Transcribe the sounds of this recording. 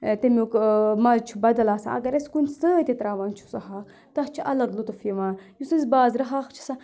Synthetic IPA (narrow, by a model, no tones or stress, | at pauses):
t̪emiukmat͡ʃʰubɐd̪ɐlaːsa̰ʔɐ̰ɡɐɾɐsʲkunʲsəːt̪ʲet̪ɾaːʋaːnt͡ʃʰu̥sɐɦaːx | t̪ɐxt͡ʃʰiʔɐ̰lɐɡlut̪ɐfiʋaːnjusɨzʲbaːzɾɐɦaːxt͡ʃʰi̥sa